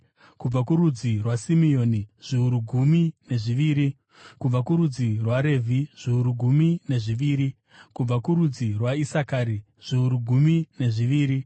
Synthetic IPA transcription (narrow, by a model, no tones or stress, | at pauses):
kub͡vakuɾud͡zirwasimio̞ːniʐ̥iuɾuɡʱumine̞ʐiʋiːɾi | kub͡vakuɾud͡zirwaɾe̞vʱiʐ̥iuɾuɡʱumine̞ʐiʋiːɾi | kub͡vakuɾud͡zirwaisakaːɾi | ʐ̥iuɾuɡʱumine̞ʐiʋiːɾi